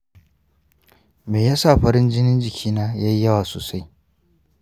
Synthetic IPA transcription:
meː˨jaː˦saː˦˨ɸɐ˦ɾɪ˦nd͡ʒɪ˦nɪ˦nd͡ʒɪ˨kʲʰiː˦naː˦jaː˦ji˦jɐ˦waː˨so̰ː˨sa˦j

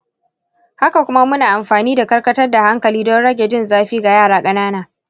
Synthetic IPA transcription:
ha˦ka˨kʷʊ˦ma˦mʊ˦naː˨ʔa˨mɸaː˨niː˦da˨kɐ˦rkɐ˦tɐ˦rda˨ha˦ŋkɐ˨liː˦dɔ˦ɽɐ˦ɡʲe˨d͡ʒɪ˦nzaː˦ɸiː˦ɡa˨jaː˦˨ɽaː˨˦kʼɐ˦naː˦naː˨

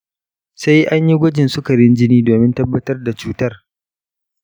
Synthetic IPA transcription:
sa˦jʔa˦ɲji˦ɡʷɐ˦d͡ʒɪ˨nsʊ˦kɐ˨ɾɪ˦nd͡ʒɪ˦niː˦doː˨mɪ˦ntɐ˦bːɐ˦tɐ˦rda˨t͡ʃuː˦tɐ˦r

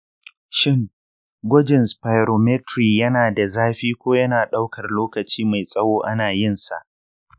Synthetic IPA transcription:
ʃɪ˦ŋ | ɡʷɐ˦d͡ʒɪ˨nspa˨jɾoː˨mɛ˦tɾiː˨jɐ˦naː˨da˨zaː˦ɸiː˦kʷoː˦jɐ˦naː˨ɗa˦wkɐ˨rloː˦kɐ˨t͡ʃiː˦ma˨jsʼɐ˦woː˦ʔa˦naː˨jɪ˦˨nsa̰˨ʔ

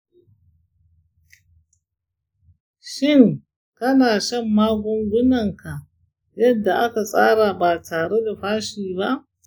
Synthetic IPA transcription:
ʃɪ˦˨ŋ | kɐ˦naː˨ʃɐ˦mːaː˦ɡʷɔ˦ŋɡʷʊ˦nɐ˨ŋka˨ʔ | jɐ˦dːa˨ʔa˦ka˨sʼaː˦ɽa˨baː˨tʰaː˨ɽe˦da˨ɸaː˦ʃiː˨ba˦ʔ

